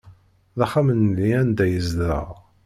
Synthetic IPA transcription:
ðæχamənðiænd̪æjəzd̪ɾə̰ʁ

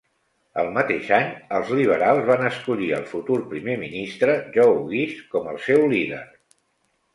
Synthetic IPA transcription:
ə̰lˠmət̪eʃaɲəlˠzliβ̞əɾalˠzβanəskuʎiə̰lˠfut̪urpɾimeminist̪ɾəʒɔwɣiʃkɔməlˠsɛwliðə̰ɾ

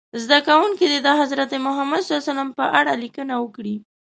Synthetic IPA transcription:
zd̪akawuŋkid̪ed̪əɦazɾat̪emʊɦamad̪salsalampəʔaɽalikənawəkɽi

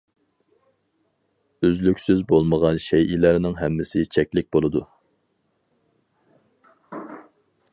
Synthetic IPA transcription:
øzlykʲsyzbolˠməʁɑnʃɛjʔilæɾnɪŋɦɛmːɪsɪt͡ʃʰɛkʲlɪk̚ʲbolˠɨd̪u

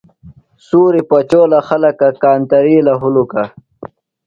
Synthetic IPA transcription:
suːɾipat͡ɕoːlaxalɐkakaːnt̪ɐɾiːlaɦuluka

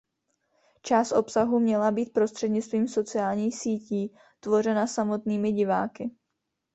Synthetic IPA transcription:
t͡ʃaːst̪ʔo̞psaɦumɲɛlabiːt̪̚pɾo̞st̪r̥ɛdɲɪt͡st̪viːmso̞t͡sɪaːlɲiːxsiːciː | t̪vo̞r̝ɛnasamo̞t̪niːmɪɟɪva̰ːkɪ

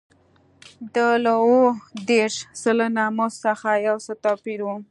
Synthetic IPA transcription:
d̪əlawod̪eɾʃsələnamosaxajawsət̪ɑpiɾwu

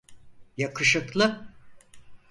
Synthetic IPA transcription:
jakʰɯʃɯklˠɯ

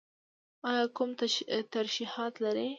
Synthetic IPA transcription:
ɑjɑkʊmt̪aɾʃihɑt̪laɾe

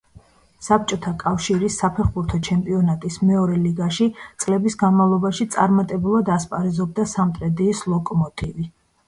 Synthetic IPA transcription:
sap̚t͡ʃʼɔt̪ʰakʼafʃiɾisːapʰɛχbuɾt̪ʰɔt͡ʃʰɛmpʼiɔnat̪ʼismɛɔɾɛliɡaʃit̪sʼlɛbisɡanmavlˠɔbaʃit̪sʼaɾmat̪ʼɛbulˠad̪aspʼaɾɛzɔb̚d̪asamt̪ʼɾɛd̪iːslˠɔkʼɔmɔt̪ʼivi

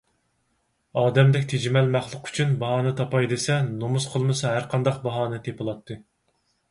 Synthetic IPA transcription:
ɑːd̪ɛmd̪ɛkʲt̪ʰed͡ʒimɛlmæχlˠʊqy̥t͡ʃʰynbɑɦɑːnɨt̪ʰɑpɑjd̪esɛnomusqʰəlˠmɨsɑɦæɾqʰɑnd̪ɑq̚bɑɦɑːnɨt̪ʰepɨlˠɑt̪ʰːɨ

